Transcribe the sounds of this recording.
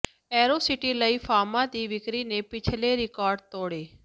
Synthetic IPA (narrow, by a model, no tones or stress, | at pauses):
ɛːɾoːsɪʈiːləiːfaːmãːd̪iːʋɪkɾiːnẽpɪt͡ʃʰleɾɪkaːɾɖt̪oːɽeː